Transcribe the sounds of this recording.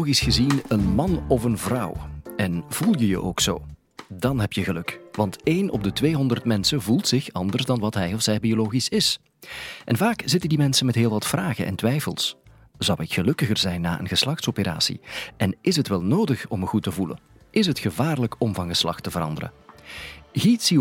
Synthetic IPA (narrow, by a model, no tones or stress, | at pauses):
ɣisxəzinənmɑnɔvənvrɑwɛnv̥ulˠjəjə̰ʔoːkso̰ː | dɑnɦɛpjəɣəlɵkʋɑntejnɔ̰b̚dətʋeːɦɔndərtmɛnsəvulˠtsɪxɑ̰ndərzdɑnʋɑtɦɛjɔfsɛjbioloːɣisɪs | ʔɛnvaːkz̥ɪtəndimɛnsənmɛtɦeːlˠʋɑtfraːɣə̰ʔɛ̰ntʋɛjfəlˠs | z̥ʌwɪkxəlɵkəɣərzɛjnːa̰ːʔə̰nɣəslɑxtsopəɾa̰ːsḭʔɛnɪsɦətʋɛlˠnoːdəxɔməɣutəvulə̰ | ɪsɦətxəvaːrləkɔmvɑnɣəslɑ̰xtəvərɾɑ̰ndəɾə̰ | ɣitsi